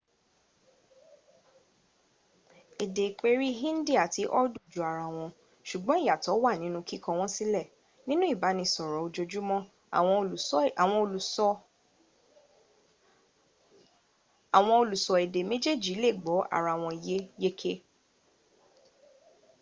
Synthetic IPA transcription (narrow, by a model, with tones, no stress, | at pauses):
e˨de˨k͡pe˦ɾi˦ɦĩ˦n̩˦di˦˨a˨ti˧˦ʔɔ˦du˦˨d͡ʒu˨a˨ɾa˧˨w̃ɔ̃˧ | ʃu˨ɡ͡bɔ̃˦i˦ja˨tɔ˨˦wa˦˨nĩ˨˦nũ˧ki˦kɔ̃˧w̃ɔ̃˦si˦lɛ˦˨ | nĩ˦nũ˦i˦˨ba˨˦nĩ˧sɔ˨ɾɔ˨o˧d͡ʒo˧d͡ʒu˦mɔ̃˦˨ | ɔ̃˧˨w̃ɔ̃˧o˧lu˨sɔ˧ | a˨w̃ɔ̃˧o˧lu˨sɔ˨e˨de˨me˦d͡ʒe˦˨d͡ʒi˨˦le˦˨ɡ͡bɔ˨˦a̰˦˨ɾa˧˨w̃ɔ̃˧i˨je˦je˦kʰe˦